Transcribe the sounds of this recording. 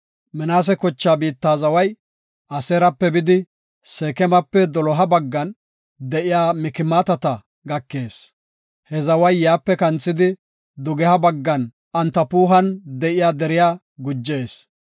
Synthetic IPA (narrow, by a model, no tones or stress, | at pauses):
mɪnaːs̬ɛkɔt͡ʃːaːbiːt̪ːaːzɐwɐj | ʔɐseːɾɐpːɛbɪd̪ɪ | seːkɛmɐpːɛd̪ɔlɔɦɐbɐɡːɐn | d̪ɛʔɪjaːmɪkɪmaːt̪ɐt̪ɐ | ɡɐkːe̞ːs | hɛzɐwɐjːaːpːɛkɐnt͡sːɪd̪ɪ | d̪ʊɡɛhɐbɐɡːɐn | ʔɐnt̪ːɐpuːɦɐnd̪ɛʔɪjaːd̪ɛɾɪjaː | ɡʊd͡ʒːe̞ːs